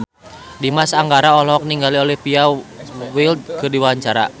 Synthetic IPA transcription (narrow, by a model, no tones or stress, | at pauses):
dimasaŋɡaɾaɔlɔk̚niŋɡaliɔlihpiawild̪̚kɨrdiwaaɲt͡ʃaɾa̰